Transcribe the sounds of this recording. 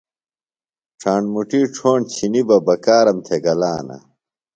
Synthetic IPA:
ʈ͡ʂʰaːɳɖmuʈiːʈ͡ʂʰoːɳt͡ɕʰinibɐbɐkaːɾɐmt̪ʰeɡɐlaːnɐ̰

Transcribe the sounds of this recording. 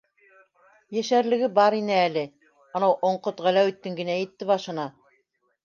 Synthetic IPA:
jæʃæɾlɘ̆ɡɘbɑɾinɘælɘ | ɑ̆nɤwʔŏɴqot̪ʁælæwɘ̆t̪ːɘŋɡɘ̆næjɘ̆t̪ːɘβɑʃɤ̆nɑ

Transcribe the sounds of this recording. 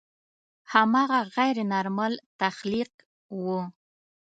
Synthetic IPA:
hamɑɣaɣajɾnaɾmalt̪axliq | wu

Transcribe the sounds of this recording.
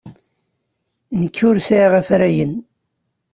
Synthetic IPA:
nəkʰːʊɾsæʁæfɾæjən

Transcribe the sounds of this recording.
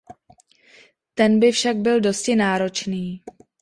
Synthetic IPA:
t̪ɛnbɪfʃaɡ̚bɪldo̞scɪnaːɾo̞t͡ʃniː

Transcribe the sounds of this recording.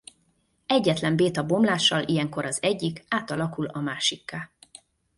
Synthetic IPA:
ɛɟːɛt̪lɛmbeːt̪ɒbo̞mlaːʃːɒlʔijɛŋko̞ɾɒzɛɟːikaːt̪ɒlɒkulɒmaːʃikːaː

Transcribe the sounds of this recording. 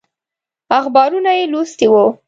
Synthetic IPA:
axbɑɾunajelost̪iwo

